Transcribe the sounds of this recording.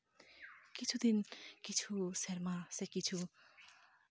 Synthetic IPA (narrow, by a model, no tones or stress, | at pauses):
kit͡sʰud̪inkit͡sʰuseɾmasekit͡sʰu